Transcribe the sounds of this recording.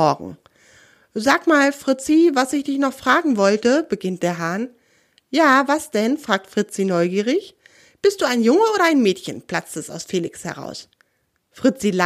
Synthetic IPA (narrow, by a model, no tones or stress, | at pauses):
ɔɐɡŋ̩ | zaːkmaːlfʁ̥ɪt͡sivasɪçd̥ɪçnɔχfʁ̥aːɡŋ̩vɔltəb̥əɡɪnt̚d̥eːɐɦaɐn | jaːvasd̥ɛnfʁ̥aːk̚tfʁ̥ɪt͡sinɔʏɡiːʁ̞ɪç | b̥ɪst̚d̥uːaɪnjʊŋəoːɾɐaɪnmɛːtçənpl̥at͡stəsta̰ʊsfeːlɪkshɛ̰ʁ̞a̰ʊs | fʁ̥ɪt͡sil